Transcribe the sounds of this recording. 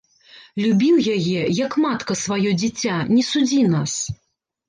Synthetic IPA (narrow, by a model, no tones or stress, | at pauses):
lʲubʲiwjajɛjɐkmat̪kɐsvajɔd͡zʲit͡sʲːanʲɛsud͡zʲinas